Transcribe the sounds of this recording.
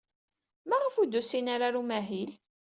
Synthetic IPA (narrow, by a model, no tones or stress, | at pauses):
mæʁəfud̪usinaɾaɾumæɦil